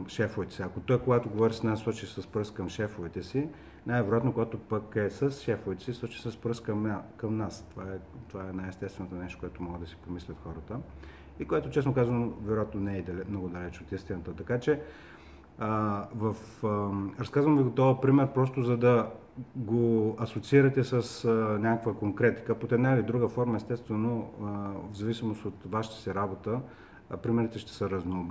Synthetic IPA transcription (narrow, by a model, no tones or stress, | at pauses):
ʃɛfovɛt̪ɛ̥siɐkot̪ɔjkoɡat̪oɡovɔɾisnasˠɔt͡ʃisəspɾɤskɐmʃɛfovɛt̪ɛsi | najvɛɾoʊjat̪nokoɡat̪opəkɛsəsʃɛfovɛt̪ɛ̥sisˠɔt͡ʃi̥səspɾəskɐmakɐmnast̪ovaɛt̪ovaɛnajɛst̪ɛst̪vɛnot̪onɛʃt̪o̥koɛt̪omɔɡəd̪ɐsi̥pomislʲət̪xɔɾət̪ə | ikojɛt̪ot͡ʃɛsnokazɐnovɛɾojat̪nonɛɛd̪ɐlɛmnɔɡʊd̪ɐlɛt͡ʃot̪inst̪inət̪ət̪ɐkat͡ʃɛ | vɐf | ɾɐskazvəmviɡot̪ɔvəpɾimɛɾpɾɔs̬t̪ozɐd̪ɐ | ɡoɐsot̪siiɾɐt̪ɛsəsnʲakəkvəkoŋkɾɛt̪i̥kəpot̪ɛnavid̪ɾuɡəfɔɾmɐɛst̪ɛst̪vɛno | vzɐvisimost̪ot̪vaʃi̥t̪ə̥sɛɾabot̪ə | pɾimɛɾit̪ɛʃt̪ɛ̥səɾɐznoːb